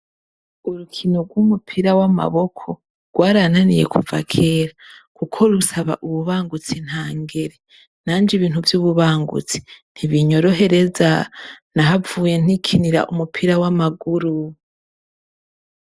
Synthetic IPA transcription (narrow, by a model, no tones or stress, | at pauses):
uɾukʰino̞ɡwumupʰiɾawama̰βo̞kʰo̞ | ɾɡ̥waːɾananijḛkʰuva̰kʰeɾakukʰo̞ɾusaβa̰ʔuβuβaːŋɡut͡sin̥haːŋɡeɾe̞ | naːnd͡ʒiβiːnhuvjuːβuβaːŋɡṵt͡si̥n̥hiβiɲo̞ɾo̞ɦe̞ɾe̞zanaɦavuːje̞n̥ikʰiniɾa̰ʔumupʰiɾawamaɡuɾu